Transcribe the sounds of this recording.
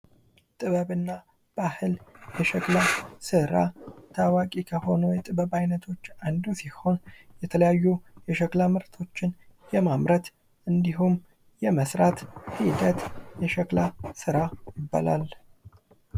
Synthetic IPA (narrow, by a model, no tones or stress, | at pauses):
t̪ʼɨβəβɨnːa | b̥ahɨljɛʃɛklasɨɾat̪ʰawakʼikʰəho̞nujɛt̪ʼɨβəβajnət̪ʰo̞t͡ʃːand̪usiho̞njɛt̪ʰələjajːujɛʃəklamɨɾt̪ʰo̞t͡ʃːɪnjɛmamɾət̪ | ʔɨnd̪iɦum | jɛməsɾat̪hid̪ət̪jɛʃəkʼlasɨɾajɪbːa̰la̰l